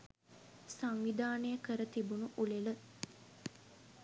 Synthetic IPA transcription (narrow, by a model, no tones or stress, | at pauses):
saŋʋid̪aːnəjəkəɾət̪ibunuʔulelə